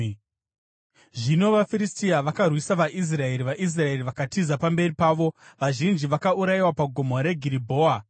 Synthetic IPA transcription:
ʐino̞ʋafiɾistiaʋakarwisaʋaʔis̬rae̞ɾiʋaʔis̬rae̞riʋakatizapambe̞ripaːʋo̞ʋaʒind͡ʒiʋakauɾajiwapaɡʱomoɾe̞ɡʱiɾibʱo̞ːa

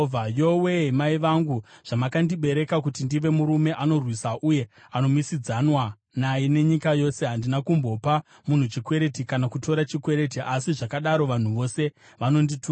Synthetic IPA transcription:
ajo̞we̞ɦemaiʋaŋɡuʐ̥amakandiɓe̞ɾe̞kakutindiʋe̞muɾume̞ʔano̞rwisaʔuje̞ | ano̞misid͡zanwa | najine̞ɲikajo̞se̞ɦandinakumbo̞pa | mun̤ut͡ʃikwe̞ɾe̞tikanakuto̞ɾat͡ʃikwe̞ɾe̞t̬iʔasiʐakaɗaɾo̞ʋan̤uʋo̞se̞ | ʋano̞nditu

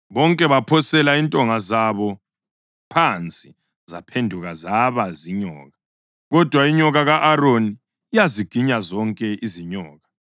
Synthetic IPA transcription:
βɔŋkʼɛβapʰɔsɛlaintʼɔŋazaβɔ | pʰant͡sʼi | zapʰendʱuɣazaβaziɲɔ̰ːɣa | ɣɔd̥ʱwaiɲɔɣaɣaʔaroniː | jaziɡ̥ʱiɲazɔŋkʼɛʔiziɲɔːɣa

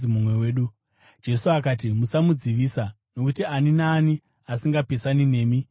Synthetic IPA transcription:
imumweweːɗu | d͡ʒe̞suakaːt̬imusamud͡ziʋiːsa | no̞kutianinaːni | asiŋɡape̞sanine̞ːmi

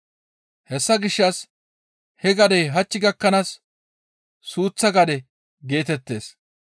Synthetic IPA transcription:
hɛsːɐɡɪʃːɐs | hɛɡɐd̪ɛjɦɐt͡ʃːɪɡɐkːɐnɐs | suːt͡sːɐɡɐd̪ɛ | ɡe̞ːt̪ɛt̪ːe̞ːs

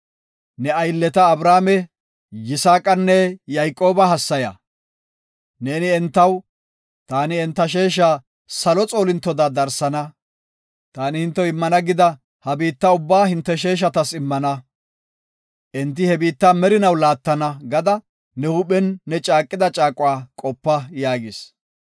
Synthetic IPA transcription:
nɛɐjlːɛt̪ɐːbɾaːmɛ | jɪsaːkʼɐnːɛjajkʼːo̞ːbɐɦɐsːɐjɐ̰ | ne̞ːnɪɛnt̪ːɐw | t̪aːnɪɛnt̪ːɐʃ̬e̞ːʃ̬aː | sɐlɔt͡sʼo̞ːlɪnt̪ːɔd̪aːd̪ɐɾsɐnɐ | t̪aːnɪhɪnt̪ːɛɪmːɐnɐɡɪd̪ɐ | hɐbiːt̪ːɐʊbːaːhɪnt̪ːɛʃe̞ːʃ̬ɐt̪ɐsɪmːɐnɐ | ʔɛnt̪̬ːɪhɛbiːt̪ːaːmɛɾɪnɐwlaːt̪ːɐnɐɡɐd̪ɐ | nɛhʊɓɛnːɛt͡ʃʼaːkʼːɪd̪ɐt͡ʃʼaːkʼʊwaːkʼɔpːɐjaːɡɪs

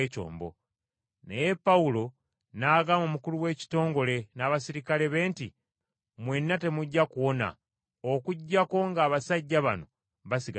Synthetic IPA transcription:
co̞̰ːmbo̞̰ | nḛje̞pːawulo̞ | naːɡamomukuluwe̞ːci̥to̞ːŋɡo̞le̞naːβasiɾikale̞βe̞ːnti | mwe̞nːate̞muɟːakuwo̞na̰ | okuɟːako̞ŋɡaːβasaɟːaβa̰no̞ | βasiɡa

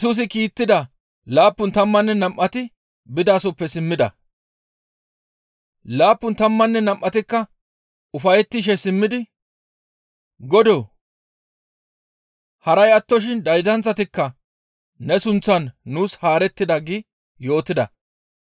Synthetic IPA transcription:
suːs̬ɪkiːt̪ːɪd̪ɐ | laːpːʊnt̪ɐmːɐnːɛnɐmʔːɐt̪ɪ | bɪd̪aːsɔpːɛsɪmːɪd̪ɐ̰ | laːpːʊnt̪ɐmːɐnːɛnɐmʔːɐt̪ɪkːɐ | ʊfɐjɛt̪ːɪʃ̬ɛsɪmːɪd̪ɪ | ɡɔd̪oː | hɐɾɐjɐt̪ːɔʃ̬ɪnd̪ɐjd̪ɐnt͡sːɐt̪ɪkːɐ | nɛsʊnt͡sːɐnːuːshaːɾɛt̪ːɪd̪ɐɡɪ | jo̞ːt̪ːɪd̪ɐ̰

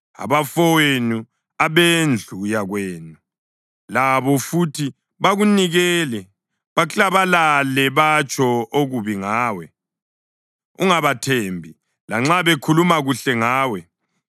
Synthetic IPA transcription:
a̰βafɔwenu | aβend͡ɮʱujaɣweːnu | laβɔfutʰi | βaɣuniɣɛːlɛ | βat͡ɬaβalalɛβat͡ʃʰʼɔoɣuβiŋaːwɛ | uŋaβatʰembʱi | laŋ͡ǁaβekʰulumaɣuɬɛŋaːwɛ

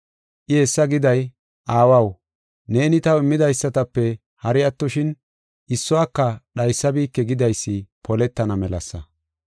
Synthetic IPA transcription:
ʔɪesːɐɡɪd̪ɐj | ʔaːwɐw | ne̞ːnɪt̪ɐwɪmːɪd̪ɐjsːɐt̪ɐpːɛ | hɐɾɪɐt̪ːɔʃɪn | ʔɪsːɔakːɐɗɐjsːɐbiːkːɛɡɪd̪ɐjsːɪpʰɔlɛt̪ːɐnɐmɛlɐ̰sːɐ

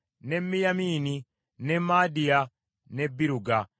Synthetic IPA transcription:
nemːijamiːni | nemːaːdija | nebːiɾuɡa

